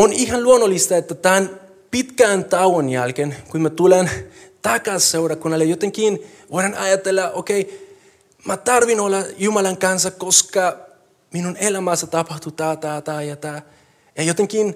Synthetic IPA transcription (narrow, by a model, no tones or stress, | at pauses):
onihanluonolist̪aet̪ːat̪an | pit̪kaːnt̪awonjalkenkuinmet̪ulent̪akasewɾakunalejot̪eŋkin | vojɾanajat̪elːaʔokej | mat̪aɾβinolajumalaŋkansakoska | minunelamasat̪apaht̪ut̪at̪at̪ajat̪a | jajot̪eŋkin